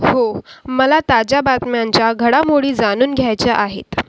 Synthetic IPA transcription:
homəlat̪ad͡ʑabat̪mjaɲt͡ɕjaɡʱəɽamoɽiːd͡zanuːnɡʱjajt͡ɕaʔaɦḛt̪

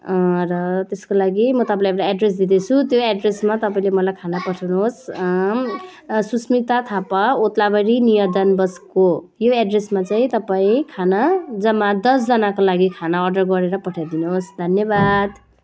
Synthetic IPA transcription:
rʌt̪eskolaɡimʌt̪ʌpãljeʈaeɖres̬d̪id̪et͡sʰut̪joeɖresmat̪ʌpaĩlemʌlajkʰanapʌʈʰawnuɦos | susmit̪at̪ʰapaot̪labʌɾinijʌd̪ʌnbʌskojoeɖresmat͡saĩt̪ʌpaĩkʰanad͡zʌmːad̪ʌsd͡zʌnakolaɡikʰanaʌrɖʌrɡʌɾeɾʌpʌʈʰad̪inuɦosd̪ʱʌnjʌbad̪

